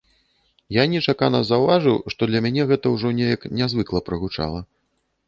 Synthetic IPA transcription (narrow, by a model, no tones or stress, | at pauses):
janʲɛt͡ʂakanɐzɐwvaʐɨwʂt̪ɔd̪lʲɐmʲanʲɛɣɛt̪ɐwʐɔnʲejɐknʲazvɨklˠɐpɾɨɣut͡ʂa̰lˠɐ